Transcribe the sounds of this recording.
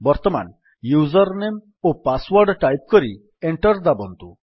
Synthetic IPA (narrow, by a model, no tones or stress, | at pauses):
bɔɾt̪ɔma̰n | juzɔɾnem | opaswɔɾɖʈajp̚kɔɾi | eɳʈɔɾd̪abɔnt̪u